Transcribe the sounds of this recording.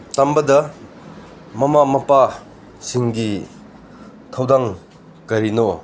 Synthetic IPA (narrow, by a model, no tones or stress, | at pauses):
tambɐdɐ | mɐmamɐpa | siŋɡi | kʰɐwdaŋ | kɐɾino